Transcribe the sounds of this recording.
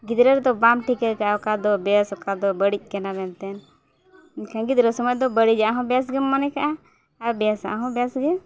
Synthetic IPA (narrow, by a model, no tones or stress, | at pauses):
ɡid̪ɾɛɾd̪ɔbamʈʰikɛɾkaʔaɔkad̪ɔbɛjasɔkad̪ɔbəɽic̚ˀkɛnabɛnt̪ɛn | kãŋɡit̪̚ɾɔsɔmɔjd̪ɔbəɽid͡ʒaʔaɦɔ̃bɛjas̬ɡɛːanɛkaʔa | abɛjasa̰ʔaɦɔ̃bɛjasɡɛ